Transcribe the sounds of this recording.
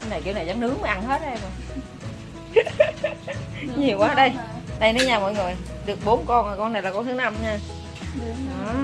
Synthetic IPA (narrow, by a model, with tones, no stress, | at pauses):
wna˨˩jki˧wna˨˩jza˨˦nʔɨ˨˦əŋməː˨˦ʔa˧nhe˦˥t̚ʔɛ˧mə˨˩ | ɲi˨˩əwkwaː˨˦˧ɗə˧jɗə˧jnɔ˨˦ɲaː˧˩mɔ̰˧˨jŋɨ˨˩əjɗɨ˨˩ək̚ɓo˨˦nkɔ˧nʔəː˨˩kɔ˧nːa˨˩jlaː˨˩kɔ˧nt̪ɨ˨˦na˧mɲaː˧˨˧